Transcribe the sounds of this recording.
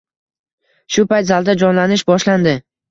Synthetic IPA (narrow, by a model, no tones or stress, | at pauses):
ʃʊpajt̪zalˠd̪ad͡ʒɒnlanɪʃbɒʃland̪ɪ